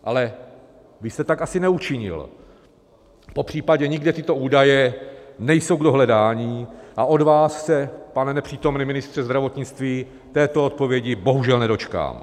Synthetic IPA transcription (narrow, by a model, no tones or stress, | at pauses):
ʔa̰lɛ | vɪst̪ɛt̪akʔasɪnɛut͡ʃɪɲɪ̰l | po̞pr̝̥iːpaɟɛɲɪɡdɛt̪ɪt̪o̞ʔuːdajɛnɛjso̞wɡdo̞ɦlɛdaːɲiːʔaʔo̞dvaːsːɛpanɛnɛpr̥iːt̪o̞mnɪmɪnɪst̪r̝̥ɛzd̪ɾavo̞t̪ɲɪt͡st̪viː | t̪ɛːt̪oot̪̚po̞vjɛɟɪbo̞ɦuʒɛlnɛdo̞t͡ʃka̰ːm